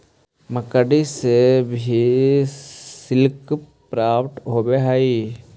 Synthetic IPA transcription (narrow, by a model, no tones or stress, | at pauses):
məkəɖisebʱi | sɪlk | pɾaːpʈɦobeɦaːi